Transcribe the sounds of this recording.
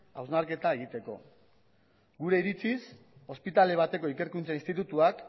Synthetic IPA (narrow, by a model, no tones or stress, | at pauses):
awznaɾke̞t̪ae̞ɣ̞it̪e̞ko̞ | ɡuɾe̞iɾit͡sis | o̞spit̪ale̞β̞at̪e̞ko̞ike̞ɾkunt͡sainst̪it̪ut̪uak